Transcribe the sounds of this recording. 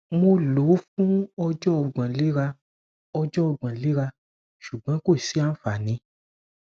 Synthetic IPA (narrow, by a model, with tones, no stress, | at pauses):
mo˧lo˨˦fũ˦ɔ˧d͡ʒɔ˦ɔ˧˨ɡ͡bã˨li˦ɾa˧ | ɔ˧d͡ʒɔ˦ɔ˧ɡ͡bã˨li˦ɾa˧ | ʃu˨ɡ͡bɔ̃˨˦ko˦˨si˨˦a˦fa˨nĩ˨˦